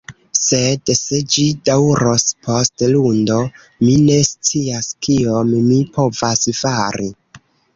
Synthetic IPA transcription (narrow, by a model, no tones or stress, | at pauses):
se̞dse̞d͡ʒidawɾo̞spʰo̞stlundo̞ | mine̞st͡siaskiommipʰo̞vasfaɾi